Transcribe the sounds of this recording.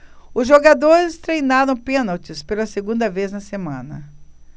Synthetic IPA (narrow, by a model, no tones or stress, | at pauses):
ʊzʒoɡad̪oɾɪst̪ɾejnaɾɐ̃w̃pẽnɐwt͡ʃɪspelɐseɡũnd̪ɐveznɐsemɐ̃nɐ̰